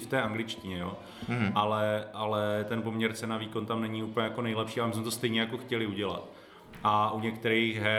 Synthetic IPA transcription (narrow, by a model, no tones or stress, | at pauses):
ft̪ɛːʔaŋɡlɪt͡ʃcɪɲɛjoː | ʔalɛʔalɛt̪ɛnpo̞mɲɛɾt͡sɛnaviːko̞nt̪amnɛɲɪuplɲɛjako̞nɛjlɛpʃiːamɪs̬mɛt̪ost̪ɛjɲɛjako̞xcɛlɪuɟɛla̰t̪ | ʔaʔuɲɛkt̪ɛɾixɦɛ